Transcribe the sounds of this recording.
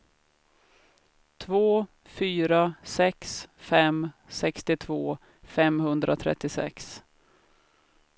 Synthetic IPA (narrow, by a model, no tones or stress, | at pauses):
t̪ʰvoː | fyːɾasɛksfɛmsɛkst̪ɪt̪ʰvoː | fɛmhɵnd̪ɾʔa̰t̪ʰɾɛ̰t̪ːɪsɛ̰ks